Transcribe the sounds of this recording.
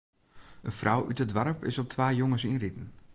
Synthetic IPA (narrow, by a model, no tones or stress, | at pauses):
ənfrʔawʔytədʋaɾəpɪ̰sɔp̚tʰʋaːjoŋəsinritn̩